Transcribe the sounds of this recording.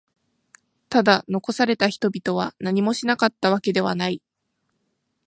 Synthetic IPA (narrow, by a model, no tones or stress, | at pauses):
t̪ad̪ano̞ko̞saɾe̞t̪açi̥t̪o̞bʲit̪o̞β̞anaɲ̟imo̞ɕinakat̪ːaβ̞ake̞d̪e̞βanai